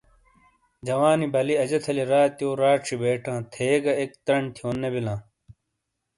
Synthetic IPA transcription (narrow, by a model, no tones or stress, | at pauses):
d͡ʑɐwaːnibɐliɐd͡ʑɐt̪ʰɐliɾaːt̪joːɾaːʈʂibeːʈʰãːt̪ʰeːɡɐek̚t̪ɾɐɳt̪ʰijõːnːebilãː